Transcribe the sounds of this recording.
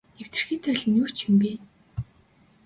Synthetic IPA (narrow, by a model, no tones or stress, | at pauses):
ew̥t̪ɘ̆rxiːt̪ʰœːɮɘ̆nju̥ːt͡ɕʰĭmpiː